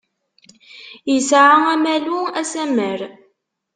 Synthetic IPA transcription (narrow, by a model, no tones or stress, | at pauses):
jəsʕaæmæluæsæməɾ